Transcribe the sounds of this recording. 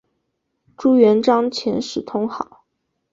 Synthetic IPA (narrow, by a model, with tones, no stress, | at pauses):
ʈ͡ʂu˥ɥɛ˧˥nʈ͡ʂɑ˥ŋt͡ɕʰjɛ˧˥nʂɻ̩˨˩t̪ʰʊ˥ŋxɑ˨˩˦ʊ